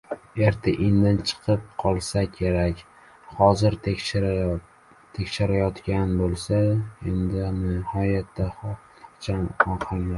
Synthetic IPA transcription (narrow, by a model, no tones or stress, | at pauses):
eɾt̪ʰaʔɪnd̪ant͡ʃʰɨ̥qʰɨp̚qʰɒlˠsakʲʰe̞ɾakʲ | hɒzɪɾ | t̪ʰekʲʃɪɾajɒt̪kʲanbolˠsaend̪ɪnɪhɒjat̪ːa | ɒt͡ʃʰanɒqʰɨlla